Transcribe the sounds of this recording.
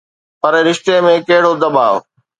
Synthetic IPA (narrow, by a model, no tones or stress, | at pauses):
pɐɾɾɪʃt̪emẽkɐɦɪɽod̪ɐɓaːʋ